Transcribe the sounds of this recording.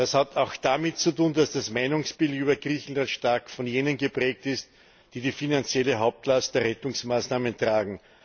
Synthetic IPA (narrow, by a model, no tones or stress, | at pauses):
d̥ashatɑʊxd̥amɪtt͡sutuːndasd̥asmaɪnʊŋsb̥ɪltyːbɐɡʁiːçn̩lantʃtaɐkfɔnjeːnənɡəpʁ̥ɛːk̚tɪst | d̥iːdiːfinant͡sjɛləɦaʊp̚tlast̚d̥eɐʁɛtʊŋsmaːsnaːməntʁ̥aːɡŋ̩